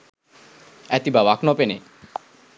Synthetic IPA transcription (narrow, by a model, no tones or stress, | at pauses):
ɛt̪ibabakʰnopene